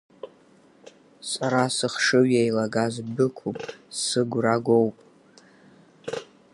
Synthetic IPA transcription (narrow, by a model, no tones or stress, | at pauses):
sʼaɾasɨχʂɨɥajlaɡazbɨkʷʰupʼsɨɡʷraɡʷowpʼ